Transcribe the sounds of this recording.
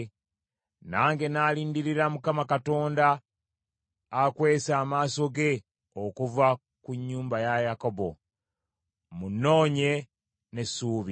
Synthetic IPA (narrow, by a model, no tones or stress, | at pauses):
naːŋɡe̞naːliːndiɾiɾamukamakato̞ːnda | kwe̞ːsaːmaːso̞ɡe̞ | okuva | kuɲːuːmbajajako̞bo̞ | munːo̞ːɲe̞ | ne̞suːβi